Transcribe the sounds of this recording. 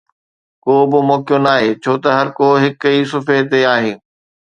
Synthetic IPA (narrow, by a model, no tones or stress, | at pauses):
koːbɪmɔːkijõnaːɦeːt͡ɕʰoːt̪ɐɦɐɾkoːɦɪkiːsʊfet̪eaːɦeː